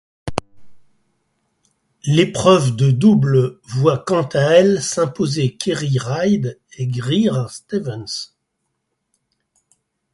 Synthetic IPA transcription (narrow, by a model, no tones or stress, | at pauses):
lepχœvd̪əd̪ublvwakɑ̃t̪aɛlsɛ̃pozekʲʰeʁiʁajd̪eɡʁiʁast̪evɛns